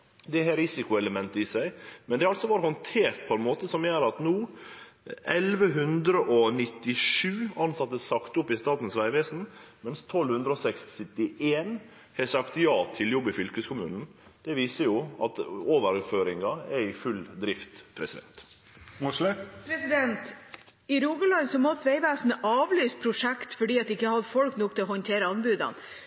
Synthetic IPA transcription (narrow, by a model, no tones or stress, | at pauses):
d̪ɛɦæɾɪsɪkʊɛləmɛnt̪əɪsæɪmɛnd̪ɛɑlt̪sɔʋɑːɾəhɔnt̪ʰeːɾt̪̚pʰɔɛnmoːt̪əsɔmjøːɾɑt̪nuː | ʔɛlʋəɦʉnd̪ɾəʔɔnɪt̪ːɪʂʉːɑnsɑt̪ːəsɑkt̪ʊpːɪst̪ɑːt̪n̩sʋæɪʋeːsn̩ | mɛnst̪ʰɔlːhʉnd̪ɾəɔsɛksɪt̪ɪeːn | hɛsɑkt̪jɑːt̪ʰɪljɔbːəfʏlkəskʰʊmʉ̰ːnn̩ | d̪̥ɛʋiːsəɾjʊʔɑt̪oːʋəɾføːɾɪŋɑɛɾɪfʉld̪ɾɪft̪pʰɾɛsɪd̪ɛ̰nt̪ | pʰɾɛsɪd̪ɛnt̪ | ɪɾuːɡəlɑnsɔmɔt̪ʋæɪʋæːsn̩əʔɑːʋlyːspʰɾʊʂɛkt̪fɔɖiːɑt̪ɪkːəhɑd̪əfɔlknuːk̚t̪ʰɪlɔhɔnt̪ʰeːɾəɑnbʉːd̪ɑ̰n